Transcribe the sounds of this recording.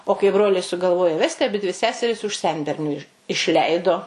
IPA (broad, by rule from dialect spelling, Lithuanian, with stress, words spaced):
oː kɐɪ ˈbroːlʲɛɪ sʊɡɐlˠˈʋoːjoː ˈʋʲæːsʲtʲɪ ɐˈbʲɪdʲʋʲɪ ˈsʲæːsʲɛrʲɪs ʊʃ ˈsʲɛnʲbʲɛrʲnʲʊ ɪʃ ɪʃʲˈlʲɛɪdoː